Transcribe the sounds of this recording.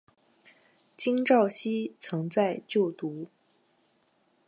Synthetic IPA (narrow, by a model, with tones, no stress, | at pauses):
t͡ɕi˥ŋʈ͡ʂɑ˥˩ʊɕi˥t͡sʰɤ˧˥ŋt͡sa˥˧ɪt͡ɕjo˥˩ʊt̪u˧˥